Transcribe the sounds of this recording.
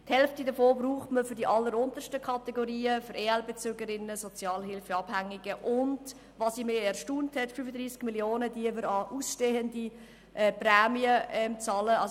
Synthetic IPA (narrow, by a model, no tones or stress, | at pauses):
thɛlftidəfoːbruːχtməfʏɾdiʔɑlːəɾʊnt̪ərʃtəkʰɑtɛɡoɾiːəfʏɾʔeːɛlbet͡søːɡəɾɪnːəsɔt͡sjɑːlhɪlfəɑb̥hæŋɪɡəʔʊnd | vɑsimeːɛɾʃtuːnthɛtfyfədɾiːsɡ̥miljoːnədiəvʏɾɑʔuːsʃteːəndi | ʔɛprɛːmiəɛmt͡sɑːləɑs